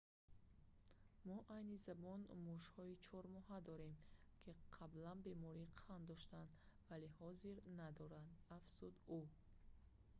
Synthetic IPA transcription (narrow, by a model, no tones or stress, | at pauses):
mɔʔajnizabɔnmuʃhɔit͡ʃʰɔɾmɔɦad̪ɔɾe̞mkʰiqʰablanbe̞mɔɾiqʰand̪ɔʃt̪and̪valehɔziɾnad̪ɔɾand̪afz̥ud̪u